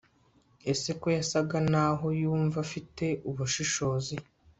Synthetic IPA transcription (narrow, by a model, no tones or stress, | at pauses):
ese̞ko̞jasaɡanaɦo̞juːɱvafite̞ʔuβuʃiʃo̞ːzi